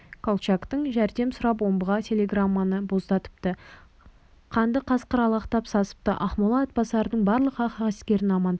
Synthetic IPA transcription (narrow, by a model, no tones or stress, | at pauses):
kʰolˠt͡ʃakt̪əɴʒæɾd̪e̞msʊɾɑpwo̞mbəʁɑtʲʰe̞lʲe̞ɡramːanəbo̞zd̪ɑt̪ə̥p̚t̪ə | qʰɑnd̪əqʰɑsqəɾɑlˠɑqt̪ɑpsɑsə̥p̚t̪ə̰ʔɑχmolˠɑːt̪̚bɑsˠɑɾəd̪əɴbɑɾlˠəqɑqɑʁɪskʲe̞ɾɪnɑmɑnd̪